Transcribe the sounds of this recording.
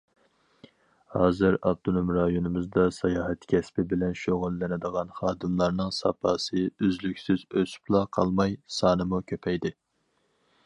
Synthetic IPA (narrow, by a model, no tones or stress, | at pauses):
hɑːzɨɾɑb̚t̪ʰonomɾɑjonɨmɨzd̪ɑsɑjɑːɦɛt̪kʲʰɛspɪbɪlɛnʃoʁʊlːɪnɪd̪əʁɑnχɑːd̪ɨmlˠɑɾnɨŋsɑ̰pʰɑːsɨøzlykʲsɪzøsy̥plˠɑqʰɑlˠmɑjsɑːnɨmukʲʰøpʰɛjd̪ɪ